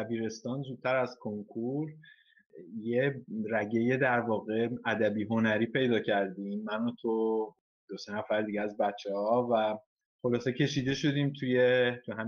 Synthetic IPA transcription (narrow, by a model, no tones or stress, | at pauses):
æbiːɾe̞st̪ɒːnzuːd̪̥̚t̪ʰæɾæz̥kʰoŋkʰuɾ | jeræɟe̞je̞d̪æɾvɒːɣe̞æd̪æbiːɦo̞næɾiːpʰe̞jd̪ɒːcʰæɾd̪iːmːænot̪ʰo | d̪̥osenæfæɾd̪iɟeæzbæt̪t͡ʃʰːehɒvæ | χo̞lɒːsecʰe̞ʃiːd̪e̞ʃo̞d̪iːmt̪ʰujet̪ʰuɦæm